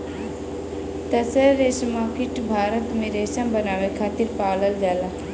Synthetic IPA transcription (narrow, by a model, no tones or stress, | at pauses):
t̪ɐsəɾeːsmaːkɪʈbʱaːɾət̪mẽɾeːʃãmbənaːʋekʰaːt̪iɾpaːləld͡ʒaːlaː